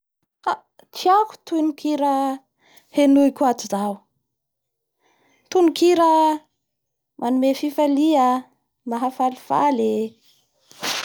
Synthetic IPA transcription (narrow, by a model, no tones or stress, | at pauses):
ka | t͡siaku̥t̪unukʰiɾə | henuikʲuat̪izaw | t̪unukiɾə | mʔanumefifalia | maɦafalifa̰le